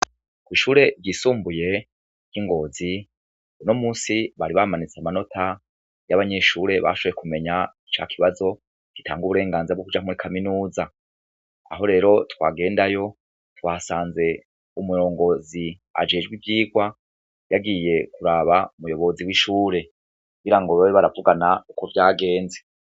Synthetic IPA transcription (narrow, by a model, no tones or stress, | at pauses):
kwiːʃuːɾe̞ɾɟiːsuːmbuje̞ | ɾj̥iŋɡo̞zi | uno̞muːsiβaɾiβamanit͡samano̞tʰa | jaβaɲe̞ʃuːɾe̞βa̰ʃoojekume̞ɲait͡ʃa̰kʰiβazo̞ | ɡ̥itʰa̰ːŋɡuβuɾe̞ːŋɡaːnzbɡokud͡ʒamuɾikʰaminuːza | a̰ho̞ɾe̞ːɾo̞twa̰ːɡe̞ːndajo̞ | twaːsaːnze̞ | umujo̞ːŋɡo̞zi | a̰d͡ʒe̞ːd͡ʒɡwivjiːɡwa | jaɡije̞kuɾaβaumujo̞βo̞ziwiʃuːɾe̞ | kkuɡiɾaŋɡo̞βawiβaɾavuɡanaukovjaːɡe̞ːnze